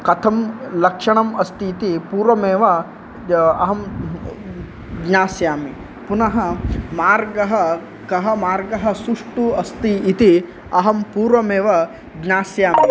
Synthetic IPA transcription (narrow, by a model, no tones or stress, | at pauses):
kɐt̪ʰɐmlɐkʂɐɳɐmɐst̪iːt̪ipuːɾʋɐmeːʋɐ | ɐɦɐm | ɡɲaːsjaːmi | punɐɦɐmaːɾɡɐɦɐ | kɐɦɐmaːɾɡɐɦɐsuʂʈuɐst̪iːt̪i | ɐɦɐmpuːɾʋɐmeːʋɐ | ɡɲaːsjaːmi